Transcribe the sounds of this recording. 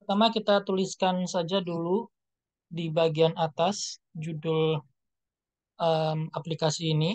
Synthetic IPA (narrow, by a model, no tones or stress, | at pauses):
pt̪amakit̪at̪uliskansad͡ʒadulu | dibaɡianat̪asd͡ʒudʊl | ʔəmaplikasiːni